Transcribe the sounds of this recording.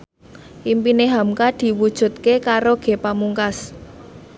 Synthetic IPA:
ʔimpineɦamkad̪̥i̤wud̥ʒ̥ṳt̪̚kekaɾoɡ̥e̤pamuŋkas

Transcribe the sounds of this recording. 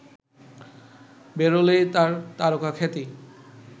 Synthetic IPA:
beɾolet̪aɾt̪aɾokakʰɛt̪i

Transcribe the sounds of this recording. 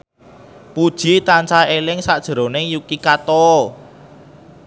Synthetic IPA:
pud̥ʒ̥i̤t̪ant͡ʃaelɪŋsad̥ʒ̥ə̤ɾo̤nɪŋjukikat̪ɔ

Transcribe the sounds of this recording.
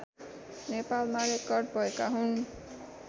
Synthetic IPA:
nepalmaɾekʌrɖ̚bʱʌekaɦun

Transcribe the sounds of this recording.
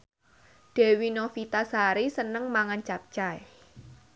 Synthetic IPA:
d̥ɛ̤winɔfit̪asaɾisənəŋmaŋant͡ʃap̚t͡ʃaj

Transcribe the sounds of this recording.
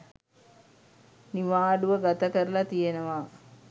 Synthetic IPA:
niʋaːɖuʋəɡat̪əkəɾəlat̪ijenəʋa

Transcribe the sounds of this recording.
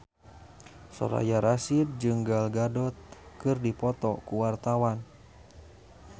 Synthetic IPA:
sɔ̰ɾa̰jaɾasid̚d͡ʒɨŋɡalɡadɔt̪̚kɨrdipɔt̪ɔkuwart̪awan

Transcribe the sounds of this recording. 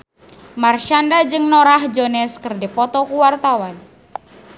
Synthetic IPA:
marʃandad͡ʒɨŋnoɾahd͡ʒonɛskərdipɔt̪ɔkuwart̪awan

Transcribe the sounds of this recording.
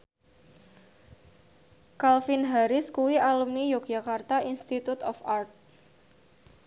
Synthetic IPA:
kalfɪnɦaɾɪskuwiʔalumnijok̚d͡ʒakart̪ainst̪it̪ut̪ɔfʔart̪̚

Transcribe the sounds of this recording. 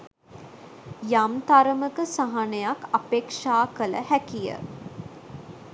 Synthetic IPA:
jamt̪aɾəməkəsaɦanejakapeːkʂaːkələ̰hækijə̰

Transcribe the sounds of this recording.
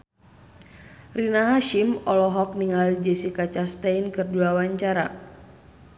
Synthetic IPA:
rinaɦaʃimɔlɔɦɔk̚niŋald͡ʒɛsikat͡ʃast̪ainkɨrduawaɲt͡ʃaɾa̰

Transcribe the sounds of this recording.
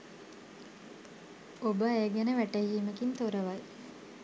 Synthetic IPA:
obəeɡænəʋæʈəɦiːməkint̪oɾəʋaj

